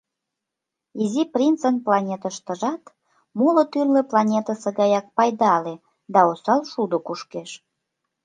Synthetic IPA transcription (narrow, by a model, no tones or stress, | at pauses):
iziprint͡sənplɑnʲet̪əʃt̪əʒɑt̪ | mulə̆t̪yrlĕplɑnʲet̪əseɣɑjɑk̚pɑjd̪ɑle | d̪ɑosɑlʃud̪okuʃkeʃ